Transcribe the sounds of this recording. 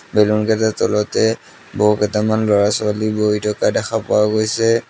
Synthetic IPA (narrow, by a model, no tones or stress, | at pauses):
bɛlunkɛtatɔlɔtɛ | bɔukɛtamanlɔɹasaliboɦitɔkadɛxapɔwaɡojsɛ